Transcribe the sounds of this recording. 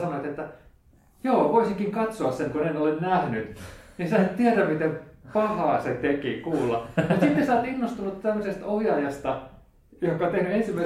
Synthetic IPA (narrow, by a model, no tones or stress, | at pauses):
sɑnoit̪et̪ːæ | joːʋoisiŋkiŋkɑt̪soɑsseŋkunenolennæhnyt̪nisɑːt̪t̪iæræmmit̪empɑhɑːset̪ekikuːlːɑjɑsit̪ːesɑːt̪inːost̪unut̪t̪æmːøsest̪ohjɑːjɑst̪ɑ | johkːˑɑont̪ehnyensimːæi